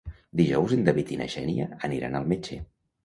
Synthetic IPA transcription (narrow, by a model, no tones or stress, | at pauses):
d̪iʒɔwzind̪əβit̪inə̰ʃɛ̰niəːniɾa̰nəlˠmet͡ʃḛ